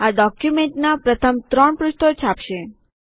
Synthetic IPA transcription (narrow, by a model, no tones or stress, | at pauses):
aɖɔkjumeɳʈnapɾət̪ʰəmt̪ɾəɳpɾʊʃt̪ot͡ʃʰapʃe